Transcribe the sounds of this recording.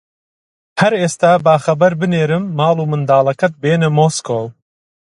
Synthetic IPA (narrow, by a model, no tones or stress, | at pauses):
hɐɾeːst̪aːbaːxɐbɐɾbɨneːɾɨmːɑːlˠuːmɨnd̪aːlˠɐkɐt̪̚beːnɨmoːskoːw